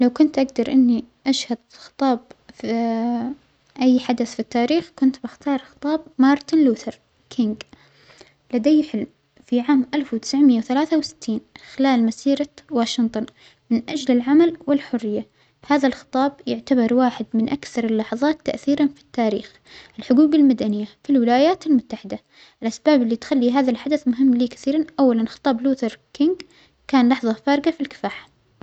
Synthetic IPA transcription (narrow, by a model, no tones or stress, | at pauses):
lawkʊnt̪ʔaɡd̪ɑɾˤʔɪnːiʔaʃhad̪ | xɨ̥t̪ˤɑːbf | ʔajːħad̪aθfit̪ːaːɾiːxkʊnt̪bɪxt̪ʰɑːɾˤxɨ̥t̪ˤɑːbmɑːɾˤt̪ɪnluːθɑɾˤ | kʰɪŋɡ | lad̪ajːħɪlm | fiʕaːmʔalfwt̪ɪ̥sʕmɪjːawθalaːθawsɪ̥t̪ʰːiːnxɪlaːlmasiːɾɑwaːʃɪnt̪ˤʊn | mɪnʔad͡ʒlɪlʕamalwɪlħʊrːɪjːa | haːðalxɨ̥t̪ˤɑːbjʊʕt̪abɑɾˤwaːħɪd̪mɪnʔakθɑɾˤɑlːɑħɑðˤɑːt̪ːa̰ʔθiːɾanfi̥t̪ːaːɾḭːx | ʔɪlħʊɡuːbalmad̪anɪjːafilwɪlaːjaːt̪almʊt̪ːaħɪd̪a | ʔɪlʔasbaːbɪlːit̪xalːiɦaːðalħad̪aθmʊɦɪmːliːkḁθiːɾanʔawːalanxɨ̥t̪ˤɑːbluːt̪ɑɾˤkɪŋɡ | kaːnlɑħðˤɑfɑːɾˤɡafilkɪ̥faːħḁ